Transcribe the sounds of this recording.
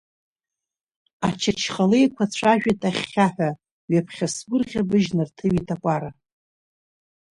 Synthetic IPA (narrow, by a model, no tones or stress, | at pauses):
at͡ʃʰat͡ʃʰχale̞jkʷʰat͡ɕʷʰaʒᶣatʼaχʲːaħʷᶣa | ɥapʰχʲasɡʷʊrʁʲabɨʒnɨrtʰɨɥitʰʼakʷʼaɾa